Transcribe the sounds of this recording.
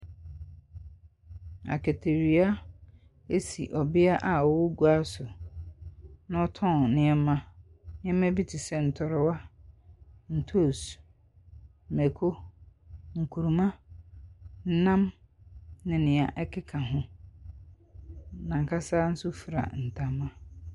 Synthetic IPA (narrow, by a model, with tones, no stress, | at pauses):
a̰˨kʰe˨tʰe˨ɾi˨a˦ | e˦si˨ʔɔ˨bɪ˦a˦ʔa˨wɔ˦wʊ˦ɡu˦a˦sʊ˨ | nã˦ɔ˦tʰɔ̃˦˨nɪ̃˨˦ɛ˦mã˦ | nɪ̃˦ɛ˦mã˦bi˦tʰɪ˨sɛ˦n̩˨tʰɔ˨ɾɪ˦wa˦ | n̩˨tʰo˦˨s | mɛ˨kʰo˦ | ŋ̩˨kʰu˨ɾu˨mã˦ | n̩˦nã˦m | nɪ̃˨nɪ̃˨a˨ʔɛ˦kʰɪ˦kʰã˨ɦʊ̃˦ | nã˨ŋ̩˨kʰa˦saː˦n̩˦sʊ˦fɾa̰˨n̩˨tʰa˨mã˦